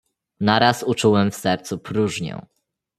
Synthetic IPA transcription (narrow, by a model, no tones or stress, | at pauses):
naɾasut͡ʂuwɛmfsɛɾt̪supɾuʐɲɛ̰̃